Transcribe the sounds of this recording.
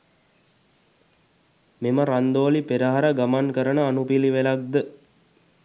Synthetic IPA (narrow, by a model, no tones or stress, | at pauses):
meməɾand̪oːlipeɾəɦaɾaɡamankəɾənəanupiliʋelak̚d̪ə